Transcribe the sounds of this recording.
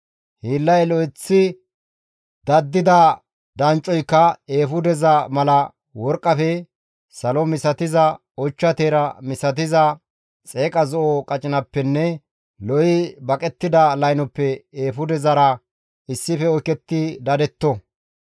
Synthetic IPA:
hiːlːɐjlɔjɪt͡sːɪ | d̪ɐd̪ːɪd̪ɐ | d̪ɐnt͡ʃʼɔjkːɐeːfʊd̪ɛzɐmɐlɐ | wɔɾkʼːɐfɛ | sɐlɔmɪsɐt̪ɪzɐ | ɔt͡ʃːɐt̪eːɾɐmɪsɐt̪̬ɪzɐ | t͡sʼe̞ːkʼɐzɔʔɔkʼɐt͡ʃʼɪnɐpːɛnːɛ | lɔjɪbɐkʼɛt̪ːɪd̪ɐlɐjnɔpːɛeːfʊd̪ɛzɐɾɐ | ɪsːɪfɛɔkɛt̪ːɪd̪ɐd̪ɛt̪ːɔ

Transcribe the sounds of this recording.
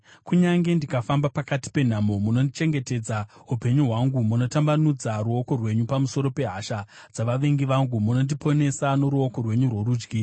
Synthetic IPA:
kuɲaŋɡe̞ndikafambapakati̥pe̞n̤amo̞muno̞ndit͡ʃe̞ŋɡe̞te̞d͡zaɦupe̞ɲuɦwaŋɡumuno̞tambanud͡zaɾuo̞ko̞rwe̞ɲupamuso̞ɾo̞pe̞ɦaʃad͡zaʋaʋe̞ŋɡiʋaŋɡumuno̞ndipʰo̞ne̞sano̞ɾuoko̞rwe̞ɲurwo̞ɾuːd͡ʒɡi

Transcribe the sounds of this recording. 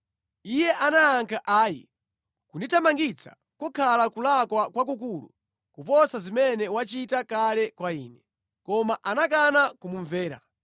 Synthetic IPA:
ijɛʔanaːŋkʰaʔaːjḭ | kunitʰamaŋɡit͡sʰḁ̰ | kukʰalakulakwakwak̬uk̬ulṵ | kupɔsazimɛnɛwat͡ʃitakalɛkwaḭːnɛ | kɔmaʔanak̬anakumuɱvɛːɾa̰

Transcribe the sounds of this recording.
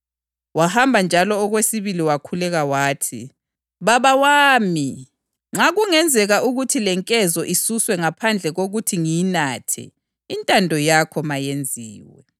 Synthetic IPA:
wahambʱand͡ʒʱalɔːɣwesiβiliwakʰulɛɣawaːtʰḭ | βaβawaːmi | ŋ͡ǁaɣuŋɛnd͡zʱɛɣaʔuɣutʰilɛŋkʼɛzɔʔisuswɛŋapʰand͡ɮʱɛɣoɣutʰiŋijinaːtʰɛ̰ | intʼandʱɔjakʰɔmajend͡zʱiːwɛ̰

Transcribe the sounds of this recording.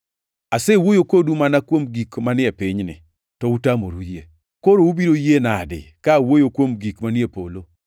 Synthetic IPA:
asewojokodumanakwomɡikmanɪɛpɪɲnɪ̰ | tɔutamoɾujie | koɾoubiɾojenadɪ̰kawojokwomɡikmanɪepo̰lo

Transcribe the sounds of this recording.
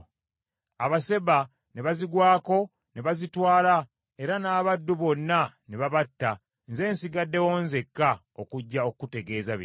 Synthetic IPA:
aβase̞βa | ne̞βaziɡwaːko̞ | ne̞βazitwaːla | e̞ɾanaːβadːuβo̞nːaneβaβatːa | nze̞ːnsiɡadːe̞woːnze̞kːa | o̰kuɟːaokkute̞ɡe̞ːzaβḭ

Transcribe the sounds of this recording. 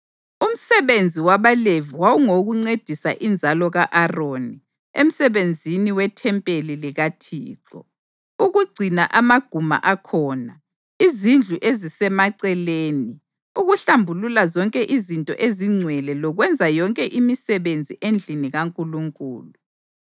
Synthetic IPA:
um̩sɛβend͡zʱiwaβaleviwawuŋoɣuŋ͡ǀed̥ʱisa̰ʔind͡zʱalɔɣaʔaroni | ḛm̩sɛβend͡zʱiniwɛtʰɛmpʼeliliɣatʰḭːǁɔ̰ | uɣuɡ͡ǀʱinaʔamaɡ̥ʱuma̰ʔakʰɔːna | izind͡ɮʱuʔezisɛmaǀɛleːni | uɣuɬambʱululazɔŋkʼɛʔizintʼɔ̰ʔeziŋ͡ǀʱwɛlɛlɔɣwɛnd͡zʱajɔŋkʼɛʔimisɛβend͡zʱiʔend͡ɮʱiniɣaŋkʼuluŋkʼṵːlu

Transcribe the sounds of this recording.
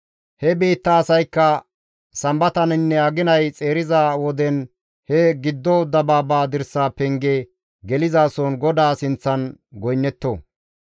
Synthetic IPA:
hɛbeːt̪ːɐːsɐjkːɐ | sɐmbɐt̪ɐnɪnːɛɐɡɪnɐjt͡sʼe̞ːɾɪzaːwɔd̪ɛn | hɛɡɪd̪ːɔd̪ɐbaːbaːd̪ɪɾsaːpɛŋɡe | ɡɛlɪzaːsɔnɡɔd̪aːsɪnt͡sːɐnɡɔjnːɛt̪ːoː

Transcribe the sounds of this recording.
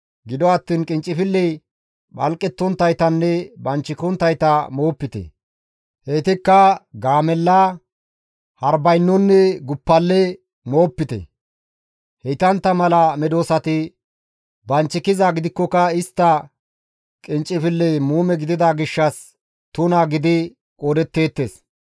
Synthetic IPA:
ɡɪd̪ɔɐt̪ːiːnkʼɪnt͡ʃʼːɪfɪlːɛj | ɓɐlkʼːɛt̪ːɔnt̪ːɐjt̪ɐnːɛbɐnt͡ʃːɪkɔnt̪ːɐjt̪ɐmo̞ːpːɪt̪ɛ̰ | heːt̪ɪkːɐɡaːmɛlːɐ | hɐɾbɐjnːɔnːɛɡʊpːɐlːɛ | mo̞ːpːɪt̪ɛ̰ | hɛjt̪ɐnt̪ːɐmɐlɐmɛd̪o̞ːsɐt̪ɪ | bɐnt͡ʃːɪkɪzaɡɪd̪ɪkːɔkɐɪst̪ːɐ | kʼɪnt͡ʃʼːɪfɪlːɛmuːmɛɡɪd̪ɪd̪aɡɪʃːɐs | t̪ʊnaɡɪd̪ɪ | kʼoːd̪ɛt̪ːe̞ːt̪ːe̞ːs

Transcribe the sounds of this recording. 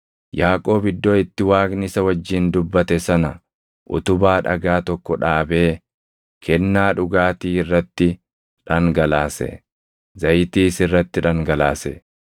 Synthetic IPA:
jaːkʼo̞ːbɪd̪ːoːɪt̪ːɪwaːɡnɪsɐwɐd͡ʒːɪːnd̪ʊbːɐt̪ɛsɐnɐ | ʔʊ̰t̪ʊbaːᶑɐ̰ɡaːt̪ɔkːɔᶑaːbe̞ː | kʰɛnːaːᶑʊɡaːt̪iːɪrːɐt̪ːɪ | ᶑɐŋɡɐlaːsɛ̰ | zɐjt̪iːsɪrːɐt̪ːɪᶑɐŋɡɐlaːsɛ

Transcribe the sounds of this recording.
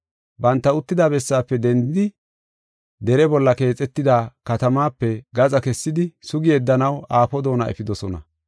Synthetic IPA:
bɐnt̪ːɐʊt̪ːɪd̪aːbɛsːaːpːɛd̪ɛnd̪ɪd̪ɪ | d̪ɛɾɛbɔlːɐke̞ːt͡sʼːɛt̪ːɪd̪aːkɐt̪ɐmaːpːɛɡɐt͡sʼɐkɛsːɪd̪ɪsʊɡɪjɛd̪ːɐnɐwaːfɔd̪o̞ːnɐ̰ɛ̰fɪd̪ɔsɔnɐ̰

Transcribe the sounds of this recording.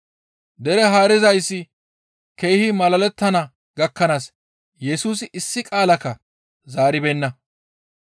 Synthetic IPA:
d̪ɛɾɛɦaːɾɪzɐjsːɪ | kejhɪmɐlɐlɛt̪ːɐnɐ | ɡɐkːɐnaːs | jɛsuːs̬ɪʔɪsːɪkʼaːlɐkːɐ | zaːɾɪbɛnːɐ

